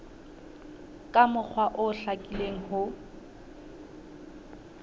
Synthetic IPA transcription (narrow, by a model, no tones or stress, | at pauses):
kʼamʊk͡xʰwaʔʊɬakʼileŋ̩hʊ